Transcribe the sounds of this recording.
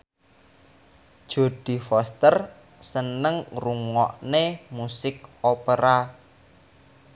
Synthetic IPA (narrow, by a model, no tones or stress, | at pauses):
d̥ʒ̥o̤d̪̥i̤fɔst̪ər | sənəŋruŋɔ̰ʔnemusɪkopeɾa